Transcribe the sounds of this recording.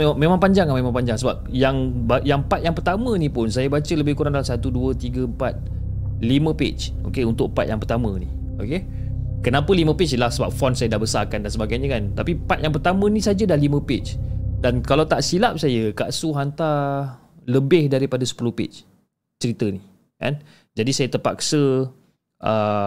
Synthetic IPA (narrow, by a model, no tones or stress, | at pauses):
eamemaŋpaɲd͡ʒaŋamemãŋpaɲd͡ʒaŋsəbap̚jaŋbajaŋpat̪̚jaŋpərt̪amə̃nipʊnsajəbat͡ʃələbɪhkuɾaŋdalasat̪uduət̪iɡəəmpat̪̚ | limə̃pḛt͡ʃ | o̰keunt̪ʊk̚pa̰t̪ja̰ŋpərt̪amə̰̃ni | oke | kənapəlimə̃pet͡ʃiəlahsəba̰p̚fɔnsajədabəsarkandansəbaɡajɲə̃kant̪apipat̪̚jaŋp̬ərt̪amə̃nĩsad͡ʒədahlimə̃pet͡ʃdankalawt̪aʔsilap̚sajəka̰ʔsuɦant̪a | ləbɪhdaɾipadasə̥pulʊhpḛt͡ʃ | t͡ʃəɾit̪əni | ka̰n | d͡ʒadisajət̪əpa̰ksə | ʔə